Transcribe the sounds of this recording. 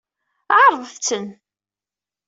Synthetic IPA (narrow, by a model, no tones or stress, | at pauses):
aʕɾˤəðˤθt͡sːən